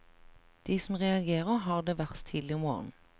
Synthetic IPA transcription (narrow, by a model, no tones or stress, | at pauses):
d̪̥iːsɔm̩ʁɛɑɡeːʁəʁɦɑːʁd̪eːʋæʁt̪ʰiːd̪lɪʊmo̰ːʁn̩